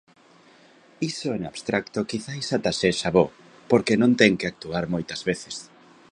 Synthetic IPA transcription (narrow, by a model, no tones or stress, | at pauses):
isoɛnaβst̪ɾʔakt̪okiθajsat̪aʃeʃaβo | poɾkenõnt̪ɛŋkeak̚t̪uaɾmojt̪ɐzβeθes